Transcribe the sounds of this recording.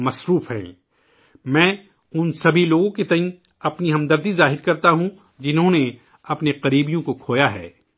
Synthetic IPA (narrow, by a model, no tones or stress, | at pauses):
mɐsɾuːfɦɛ̰̃ː | mɛ̃ː | ʊnsɐbʱiloːɡõket̪ɐɦĩ | ɐpniɦɐ̃md̪ɐɾd̪izaːɦɪɾkɐɾt̪aɦũ | d͡ʒɪnɦõne | ɐpneqɐɾiːbijõkokʰoːjaɦɛ̰ː